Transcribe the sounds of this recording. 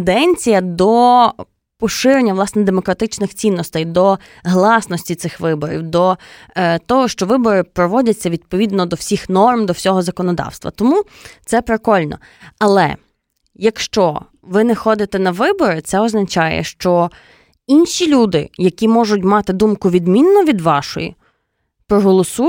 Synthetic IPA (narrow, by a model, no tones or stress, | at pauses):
d̪ɛnʲt͡sʲijɐd̪ɔ | pɔʃɪɾenʲːɐʋlˠɑsnɛd̪emɔkɾɐt̪ɪt͡ʃnɪxt͡sʲinːɔst̪ɛjd̪ɔ | ɦlˠɑsnɔsʲtʲit̪sɪxʋɪbɔɾʲḭwd̪ɔ | t̪ɔɦɔʃt͡ʃɔʋɪbɔɾɪpɾɔʋɔdʲɐt͡sʲːɐʋʲid̪̚pɔʋʲid̪nɔd̪ɔwsʲixnɔrmd̪ɔwsʲɔɦɔzɐkɔnɔd̪ɑ̰wst̪ʋɐ̰t̪ɔmut̪sɛpɾɪkɔlʲnɔ̰ | ɐlˠɛ̰ | jɐkʃt͡ʃɔ | ʋɪnɛxɔd̪ɪt̪ɛnɐʋɪbɔɾɪt̪sɛɔznɐt͡ʃɑjɛ̰ʃt͡ʃɔ | inʃʲilʲud̪ɪ̰jɐkʲimɔʒʊt̬ʲmɑt̪ɪd̪umkʊʋʲid̪mʲinːɔʋʲid̪ʋɑʃɔ̰jḭ | pɾɔɦɔlˠɔsu